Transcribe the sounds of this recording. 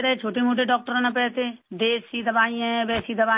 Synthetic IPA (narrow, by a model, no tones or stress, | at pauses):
ɾɐet͡ʃʰoːʈemoːʈ̬eɖɔːk̚ʈəɾãnapɛːt̪ed̪eːsid̪ɐbaːĩbɛːsid̪əbaː